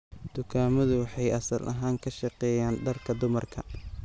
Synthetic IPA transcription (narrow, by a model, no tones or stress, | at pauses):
d̪̥ʊkʰaːmɐðʊwɑħɑjʔɐsɐlʔɐɦaːŋkʰɐʃɑqɛːjaːnɖɐrkʰɐd̪ʊmɐrkʰɐ̰